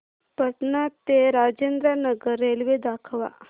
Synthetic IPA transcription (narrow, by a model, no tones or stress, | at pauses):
pəʈnat̪eɾaːd͡ʒeːnd̪ɾanɐɡəɾːeːlʋed̪aːkʰəʋa̰